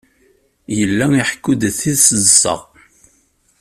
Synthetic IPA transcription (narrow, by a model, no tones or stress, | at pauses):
jəlːæiħkːud̪θiðsəzsə̰ʁ